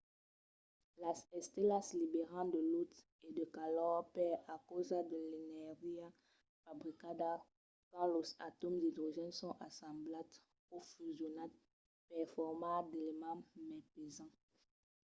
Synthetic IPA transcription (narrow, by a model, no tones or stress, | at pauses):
lasɛst̪elaslibeʁɑ̃d̪əlut̪ | ed̪əkalɔʁpɛakozad̪əlenɛʁia | fabʁikada | kãlozatɔmdidiʒɛ̃nsɔ̃ʔasɑ̃blat | ofyzjonat̚ | pɛʁfɔʁmãd̪elemãmɛpezɑ̃